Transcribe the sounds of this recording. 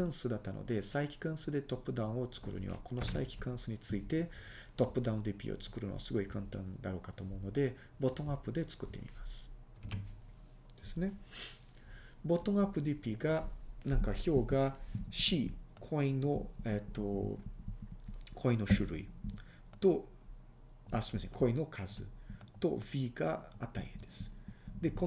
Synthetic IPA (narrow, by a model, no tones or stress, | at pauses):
ãɰ̃sɨd̪at̪ːanʔo̰d̪e̞saikʲi̥kãɰ̃sɨd̪e̞t̪o̞pːɯ̟d̪ãɯ̃ot͡sɨ̥kɯ̟ɾɯ̟̰ɲ̟ḭβa̰kʰo̞no̞sa̰ikʲi̥kãɰ̃sɨɲ̟it͡sɨit̪e̞ | t̪o̞pːɯ̟d̪aɯ̃nd̪ipʲḭːo̰t͡sɨ̥kɯ̟ɾɯno̰a̰sɨɡo̞ikãnt̪ã̰nd̪aɾo̞ːkat̪oːmo̞ɯ̟no̞d̪e̞ | bo̞t̪õ̞ɰ̃apːɯ̟d̪e̞t͡sɨ̥kɯ̟t̪ːe̞̰mʲḭmasɨ̥ | d̪̥e̞sɨne̞ | bo̞t̪õ̞ŋ̃apːɯ̟d̪ipʲiːɡanãŋkaço̞ːɡaɕikʰoĩno̞et̪ːo̰ | kʰo̞ĩno̞ɕɨɾɯ̟̰ḭ | t̪o̞ | asoimaseɲʲkʰo̞ino̞kʰazɨ̰t̪o̞bʲiːɡa̰at̪ːa̰ḭ̃ed̪e̞sɨ̥d̪̥e̞kõ